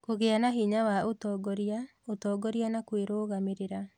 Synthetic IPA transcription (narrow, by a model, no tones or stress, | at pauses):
koɣeanaɦiɲawaotɔːɡɔɾia | otɔɡɔɾianakweɾoɣameɾeɾa